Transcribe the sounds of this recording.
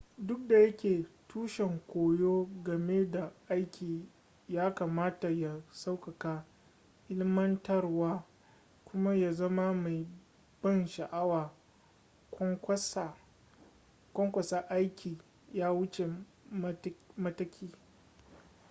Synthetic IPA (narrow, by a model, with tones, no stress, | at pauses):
dʊ˦k̚da˨jɐ˦kʲeː˨tuː˦ʃɛ˨ŋkʷoː˨joː˦ɡɐ˨me˦da˨ʔa˦jkʲiː˨ | jaː˦ka˨maː˦ta˨ja˨sa˦wkɐ˨kaː˦ | ʔɪ˦lɪ˦mɐ˦ntɐ˦rwaː˦ | kʷʊ˦ma˦ja˨zɐ˦ma˦ma˨j | b̥ɐ˦nʃa˨ʔa˦waː˨˦ | s | kʷɔ˦ŋkʷɐ˨sa˦ʔa˦jkʲʰiː˨ | jaː˦wʊ˦t͡ʃe˨ | m˦mɐ˦tɐ˦kʲʰiː˦